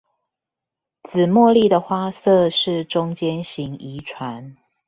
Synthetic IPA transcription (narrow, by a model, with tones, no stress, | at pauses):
t͡sɹ̩˨˩mwɔ˥˧li˥˨d̪ə˩xwa˥sɤ˥˧ʂɻ̩˥˨ʈ͡ʂʊ˦ŋt͡ɕjɛ˦nɕi˨˦ŋi˨˦ʈ͡ʂʰwa˨˦n